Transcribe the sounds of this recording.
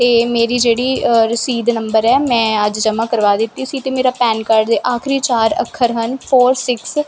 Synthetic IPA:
t̪eːmeːɾiːd͡ʒeːɽiːɾəsiːd̪nəmbəɾɛːmɛ̃ːəd͡ʒd͡ʒəmãːkəɾʋaːd̪ɪt̪ːisit̪eːmeːɾaːpɛːnkəɾɖd̪eːʔaːkʰɾiːt͡ʃaːɾə̰kʰːəɾɦənpʰoːɾsɪks

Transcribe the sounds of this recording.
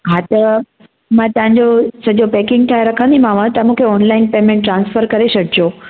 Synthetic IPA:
ɦãt̪ə | mãt̪ɐʋ̤ãɲd͡ʑosɐʄopeːkɪ̃ŋɡt̪ʰaːeɾɐkʰə̃nd̪imãʋãt̪amũkʰeɔːnlaɪnpeːmẽɳʈːɾãːnsfəɾkɐɾesɐɖʱd͡ʑo

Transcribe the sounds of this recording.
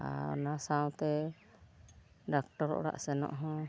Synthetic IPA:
a̰nasawt̪ɛ | ɖak̚ʈɔɾɔ̰ʔɔɽa̰ʔsɛnɔ̰ʔɦɔ̃

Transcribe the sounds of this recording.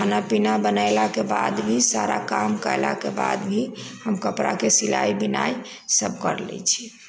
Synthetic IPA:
kʰanapinabənaɪlakebad̪bʱisaɾakamkəɪla̰keba̰d̪bʱihəmkəpɾa̰kesila̰ibinaj | səb̚kə̰ɾlɛ̰t͡ʃʰi

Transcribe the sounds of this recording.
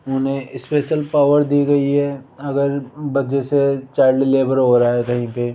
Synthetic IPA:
ʊnɦẽɪspeːʃəlpaːʋəɾd̪iɡɐiɦɛːɐɡəɾbɐd͡ʒeset͡ʃaːɪɾɖɪleːʋəɾɦoːɾaaɦɛkɐɦĩpe

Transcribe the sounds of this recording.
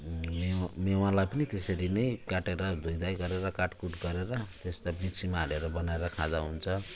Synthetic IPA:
memewãlajpʌnit̪eseɾinʌjkaʈeɾʌd̪ʱujd̪ajɡʌɾeɾʌkaʈkuʈɡʌɾeɾʌt̪est̪abiksimaɦɾeɾʌbʌnaeɾʌkʰad̪aɦunt͡sʰʌ

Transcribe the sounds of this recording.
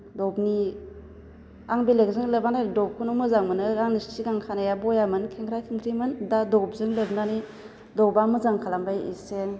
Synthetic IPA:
dɔbni | aŋbelek̚zɯŋlebanadɔp̚kʰunumɯzaŋmɯnɯɾaŋnistiɡaŋkʰanajabɔjamɯnkʰeŋkʰɾajkʰɯŋkʰɾimɯndadɔb̚zɯŋlebnani | dɔbamɯzaŋkʰalambajḭseŋ

